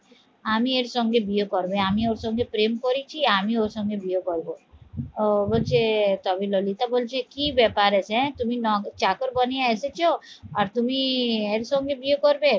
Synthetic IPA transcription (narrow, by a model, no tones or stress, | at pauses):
amieɾsɔŋɡebijokɔɾbeamioɾsɔŋɡepɾemkɔɾit͡ʃʰiamioɾsɔŋɡebijokɔɾbo | bolt͡ʃʰet̪ɔbilolit̪abolt͡ʃʰekibɛpaɾesẽt̪uminɔɡt͡ʃakɔɾbɔnijaeset͡ʃʰoaɾt̪umieɾsɔŋɡebiokɔɾbe